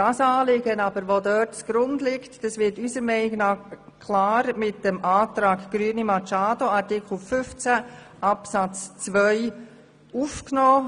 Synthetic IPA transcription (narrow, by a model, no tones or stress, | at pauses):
d̥ɑsɑːlɪɡənɑbəɾʋodœːtt͡sɡ̥ɾʊndlɪktd̥ɑsʋɪtysəɾmɛɪniɡnɑː | kʰlaːɾmɪt̚dəmaːtɾɑːkɡ̥ɾyənimɑt͡ʃaːdoɑɾtɪkʰl̩fʏft͡sæ | ʔɑpsɑt͡st͡sʋœʏ | ufknɔː